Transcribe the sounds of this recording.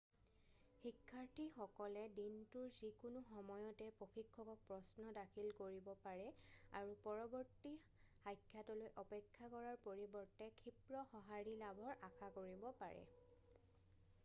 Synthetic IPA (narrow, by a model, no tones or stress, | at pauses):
xikʰːaɹtʰixɔkɔlɛdintuɹzikunʊxɔmɔjɔtɛpɹoxikʰːɔkɔk̚pɹɔsnɔdakʰilkoɹibɔpaɹɛa̰ɹupɔɹɔbɔɹti | hajkʰːjatɔlojʔɔpɛkʰːakɔɹaɹpoɹibɔɹtɛkʰipɹɔxɔɦaɹilabʱɔɹakʰakoɹibɔpa̰ɹɛ̰